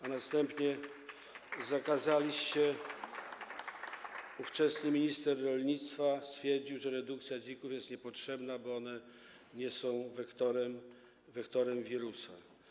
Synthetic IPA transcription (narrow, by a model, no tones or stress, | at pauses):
anast̪ɛmpɲɛ | zakazalʲiɕt͡ɕɛ | uft͡ʂɛsnɘmʲiɲist̪ɛɾːɔlɲit̪st̪fast̪fʲjɛɾd͡ʑiwʐɛɾɛd̪uk̚t̪sʲjad͡ʑikufjɛst̪ɲɛpɔtʂɛbnabɔɔnɛ | ɲɛsɔ̃w̃vɛkt̪ɔɾɛm | vɛkt̪ɔɾɛmvʲiɾusa̰